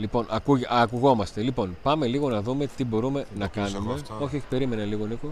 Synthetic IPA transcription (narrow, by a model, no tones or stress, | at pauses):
lipo̞nɐkuɐkuɣo̞mɐst̪e̞lipo̞npɐme̞liɣo̞nɐðume̞t̪ibo̞ɾume̞nɐkɐnume̞o̞çio̞çi̥pe̞ɾime̞nɐliɣo̞niko